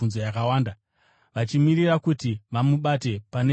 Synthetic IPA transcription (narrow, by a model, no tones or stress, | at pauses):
unzojakawaːnda | ʋat͡ʃimiɾirakutiʋamuɓate̞pane